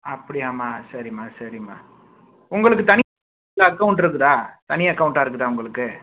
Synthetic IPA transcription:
ɐpːɐɽɪjaːmaːsɐɾɪmaːsɐɾɪma̰ː | ʊŋɡɐɭɯkːɯt̪ɐnɪ | lɐɐkːɐʊɳʈɪɾɯk̬ːɯðãːt̪ɐnɪjɐɐkːɐʊ̃ɳʈaːɪɾɯkːɯðaːʊŋɡɐɭɯkːɯ

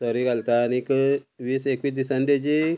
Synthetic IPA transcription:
sɔɾiɡalt̪aːnikʋiːsekʋiːsd̪isãnd̪ed͡ʑe

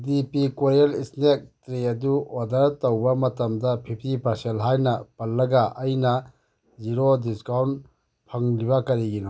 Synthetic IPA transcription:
dipikwoɾielisnek̚tɾeɐduodɐɾtɐwbɐmɐtɐmdɐpʰipʰtipɐɾselɦajnɐpɐlːɐɡɐʔɐjnɐ | ziɾodiskawn | pʰɐŋliβɐkɐɾiɡinɔ

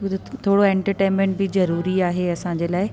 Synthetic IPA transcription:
t̪ʰoːɽoɛ̃ːɳʈəɾʈẽːnmẽɳʈ̚bɪzɐɾuːɾiaːɦeɐsãɲd͡ʑeːlaːɪ

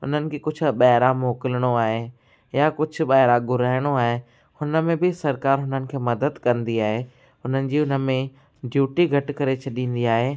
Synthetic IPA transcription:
ɦʊ̰n̤ənɪ̆kʰeːkʊd͡ʑʱʊɓɐɦɪɾamoːkɪlɽ̃oaːɦe | jakʊd͡ʑʱʊ̆ɓaːɪɾaɡʊɾaːɪɽ̃oaːɦe | hʊnə̆mẽbɪsɐɾkaːɾɦʊn̤ənɪ̆kʰeːmɐd̪əd̪kɐ̃nd̪iaːɦeː | ɦʊn̤ənɪ̆d͡ʑiːʊnəmẽ | ɖʱjuːʈiɡʱɐʈkɐɾet͡ɕʰɐɗĩːn̆d̪iaːɦeː

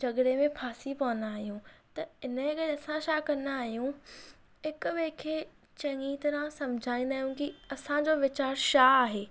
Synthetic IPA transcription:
d͡ʑɐɡɽemẽpʰaːsipɐʋə̃nd̪aːɦijũt̪ɐɪnəkɐɽɐsãʃaːkɐnd̪aːɦijũ | ɦɪkʊʋeːkʰeː | t͡ɕɐ̃ŋiːt̪ɐɾãsɐ̃md͡ʑʱaːĩnd̪aːɦjũkiɐsãd͡ʑoːʋɪt͡ɕaːɾʃaaːɦeː

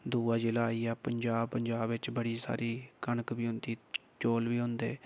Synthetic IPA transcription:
d̪uːaːd͡ʒɪlaːiːɛːpəɲd͡ʒaːbpːəɲd͡ʒaːbʋɪt͡ʃbəɽiːsa̰ːɾiːkənəkʋiːɦʊ̃nd̪iː | t͡ʃoːlʋiːɦʊ̃nd̪ḛː

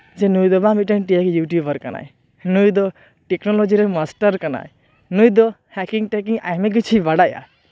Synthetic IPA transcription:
d͡ʒɛnujd̪ɔbamiʈɛnʈijakijuʈjubəɾkana̰j | nujd̪ɔ | ʈɛknɔlɔd͡ʒiɾɛmasʈəɾkana̰j | nujd̪ɔ | hɛkiŋʈɛkiŋa̰jmɛɡit͡ʃʰibaɽaja̰

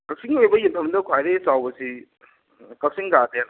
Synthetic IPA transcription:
kɐk̚siŋojbɐjimtʰɐmdɐkʰwajɾesawbɐsi | kɐk̚siŋɡaden

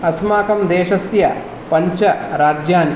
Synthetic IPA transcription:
ɐsmaːkɐmd̪eːʃɐsjɐ̰ | pɐɲt͡ʃɐɾaːd͡ʒjaːn

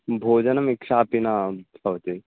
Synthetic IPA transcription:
bʱoːd͡ʒɐnɐmikʃaːpinasɐʋt̪e

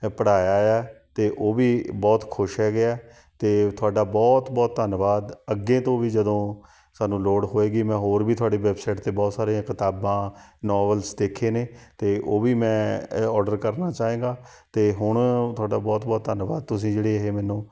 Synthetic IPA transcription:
pəɽaːjaːjaːt̪eːʔoːbiːbɔːt̪kʰʊʃɦɛːɡɪaːɛ | t̪eːt̪ʰʊaːɖaːbɔːt̪bɔːt̪̚ːd̪ənʋaːd̪əɡːẽːt̪õːʋiːd͡ʒəd̪õː | saːnũːloːɽɦoːeːɡiːmɛ̃ːɦoːɾbiːt̪ʰʊaːɖeːʋɛːbsaːʈt̪eːbɔːt̪saːɾeãːkɪt̪aːbãːnɔːʋəlsd̪eːkʰːeːneːt̪eːʔoːbiːmɛ̃ːɔːɾɖəɾkəɾnaːt͡ʃaːɦẽːɡaː | t̪eːɦʊɳt̪ʰʊaːɖaːbɔːt̪̚bɔːt̪̚d̪ənʋaːd̪̚t̪ʊs̬ĩːd͡ʒeːɽeːəɦeːmɛ̃ːnõː

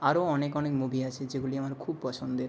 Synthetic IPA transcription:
aɾoɔnekɔnekmubʱiat͡ɕʰed͡ʑeɡuliamaɾkʰubpɔt͡ɕʰond̪eɾ

